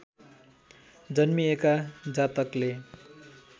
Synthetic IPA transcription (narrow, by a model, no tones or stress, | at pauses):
d͡zʌnmiekad͡zat̪ʌkle